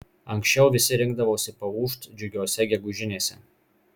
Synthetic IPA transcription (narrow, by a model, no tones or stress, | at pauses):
ɐŋksʲt͡ʃʲɛʊʋʲɪsʲɪɾʲɪŋɡ̚d̪ɐʋoːsʲɪpɐuːʃt̪d͡ʒʲʊɡʲoːsʲɛɡʲɛɡʊʒʲɪnʲeːsʲɛ